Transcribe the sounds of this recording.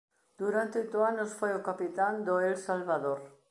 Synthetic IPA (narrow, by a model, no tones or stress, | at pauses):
d̪̥uɾant̪eojt̪ʊanʊsfojʊkapit̪and̪oelsalβaðoɾ